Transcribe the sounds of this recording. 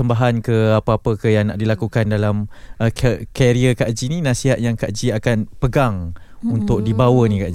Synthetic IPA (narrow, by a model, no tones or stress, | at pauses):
əmbaɦankəapəapəkəjaŋna̰ʔdilakukandalamʔəkəkeɾiəkaʔd͡ʒininãsiɦat̪̚jaŋkaʔd͡ʒiakanpəɡaŋunt̪ʊk̚dibawənĩkaʔd͡ʒi